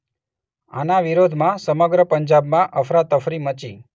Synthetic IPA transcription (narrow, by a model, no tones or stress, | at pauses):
a̰naʋiɾod̪ʱmãsəməɡɾəpəɲd͡ʒabmãʔəfɾad̪əfɾimət͡ʃi